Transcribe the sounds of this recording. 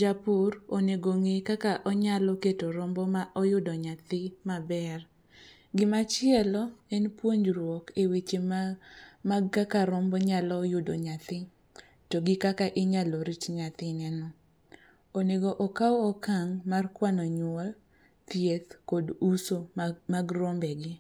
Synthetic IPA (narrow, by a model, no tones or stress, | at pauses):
d͡ʒapʊroneɡoŋekakaʔɔɲalɔketoɾombɔmaʔɔjʊdɔɲat̪ɪmabɛr | ɡɪmat͡ʃɪɛlɔɛnpwoɲd͡ʒɾwɔkewet͡ʃe | maɡakaɾɔmbɔɲalɔːjʊdoɲat̪ɪ | toɡɪkakaʔɪɲaloɾit͡ʃɲat̪ɪnɛnɔ | oneɡɔʔɔkawɔkaŋmarkwanɔɲʊɔl | t̪jet̪kodusomaɡrombɛɡɪ